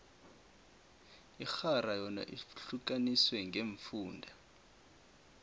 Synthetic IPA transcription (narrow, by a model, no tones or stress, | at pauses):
ixarajɔna̰ʔiɬuk̬ʼaniswɛŋɡʱeɱfuːndʱa